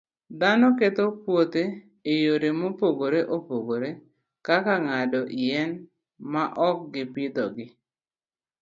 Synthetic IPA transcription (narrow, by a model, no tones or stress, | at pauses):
d̪anɔket̪opwot̪e | ejoɾemopoɡoɾeʔopoɡoɾe | kakaŋadɔʔijɛn | maʔɔk̚ɡɪpɪd̪ɔɡɪ